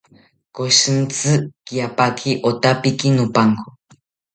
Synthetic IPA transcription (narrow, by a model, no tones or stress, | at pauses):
koʃɨnt͡sɨkiapakʰiʔot̪apikinupaŋko